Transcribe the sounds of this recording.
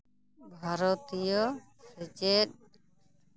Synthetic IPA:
bʱaɾɔt̪ijɔ | sɛd͡ʒeɗ̚

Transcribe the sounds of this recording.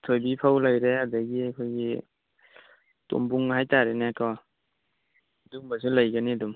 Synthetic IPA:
tʰojbipʰawlajɾehadaɡiakʰojɡi | to̰mbuŋɦajtaɾenakɔ | duŋbasulajɡaniadum

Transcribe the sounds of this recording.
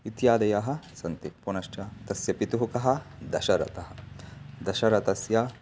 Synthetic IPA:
it̪jaːd̪ɐjaːɦɐ̆sɐnt̪ipunɐʃʈɐt̪ɐsjɐpit̪uɦukɐɦɐ̆d̪ɐʃɐɾɐ̰t̪ɐɦɐ̆d̪ɐʃɐɾɐt̪ɐsjɐ

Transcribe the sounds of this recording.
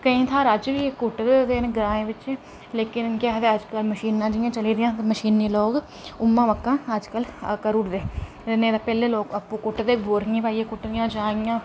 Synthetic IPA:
kəĩːt̪ʰaːɾəd͡ʒʋiːekːʊʈd̪ed̪eːnẽɡɾãːẽːʋɪt͡ʃeː | leːkɪnkɛːɦd̪eːəd͡ʒkəlməʃiːnãːd͡ʒɪjãːt͡ʃəliːd̪ɪjãːt̪məʃiːnːiːloːk | ʊmːãːʋəkːãːəd͡ʒkəlkəɾuːɾd̪eː | t̪ɪnẽːd̪aːpɛːleːloːkəpːũːkʊʈd̪eːbʱoːɾɪjẽːpaːieːkʊʈːd̪ɪjãːd͡ʒãːɡɪjãː

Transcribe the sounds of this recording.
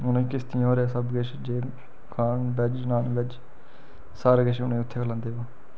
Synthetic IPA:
ʊnẽːkɪst̪ĩoːɾeasəbɡeʃd͡ʒeː | kʰaːnbɛd͡ʒnaːnbɛd͡ʒ | saːɾɡəʃʊnẽːʊt̪ʰːeːkʰlãːnd̪eːʋoː

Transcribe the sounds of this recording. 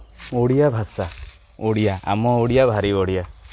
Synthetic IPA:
oɽijabʱasa | oɽijaa̰mɔoɽijabʱaɾioɽija

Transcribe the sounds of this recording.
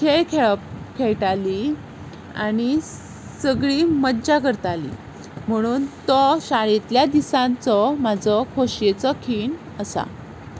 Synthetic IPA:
kʰejkʰeɭpkʰeɭʈali | a̰ni | səɡɭiːmədd͡ʑakəɾt̪alḭ | m̤əɽ̃uːnt̪ɔɕaɭet̪ljad̪isãnt͡sɔmad͡zʱɔkʰoɕjet͡sɔkʰiːɳ | əsa̰

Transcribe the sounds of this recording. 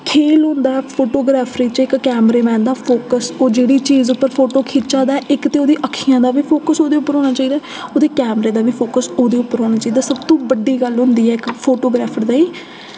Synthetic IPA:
kʰeːlɦõnd̪aːɛpʰoːʈoːɡɾaːpʰɾiːt͡ʃɪkːɛːmɾeːmɛ̃ːnd̪aːpʰoːkəsoːd͡ʒeːɽiːt͡ʃiːzʊpːəɾpʰoːʈoːkʰiːt͡ʃaːd̪aːɛʔɪkt̪eːoːd̪iːʔəkʰːijãːd̪aːʋiːpʰoːkəsoːd̪eːʊpːəɾɦoːnaːt͡ʃaːiːd̪aː | oːd̪eːkɛːmɾeːd̪aːʋiːpʰoːkəsoːd̪eːʊpːəɾɦoːnaːt͡ʃaːiːd̪aːsəbt̪õːbəɖiːɡəlɦʊ̃nd̪iːɛːɪkpʰoːʈoːɡɾaːpʰəɾd̪aːiː

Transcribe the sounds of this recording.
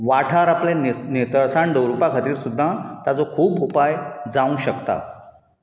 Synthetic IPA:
ʋaʈʰaɾaplenet̪əɭsaɳɖ̪əwɾupakʰət̪iːɾsud̪ʱːãt̪at͡sokʰuːpupajd͡zaũɕəkt̪a̰

